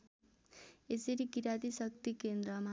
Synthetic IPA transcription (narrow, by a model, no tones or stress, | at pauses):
esʌɾikiɾat̪isʌk̚t̪ikend̪ɾʌma